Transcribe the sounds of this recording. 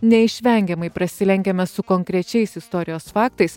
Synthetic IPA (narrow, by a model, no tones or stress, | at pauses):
nʲɛɪʃʲʋʲɛŋʲɡʲɛmɐɪpɾɐsʲɪlʲɛŋʲɡʲɛmʲɛsʊkɔŋʲkɾʲɛt͡ʃʲɛɪsɪst̪ɔːɾʲɪjoːsfɑːk̚t̪ɐɪs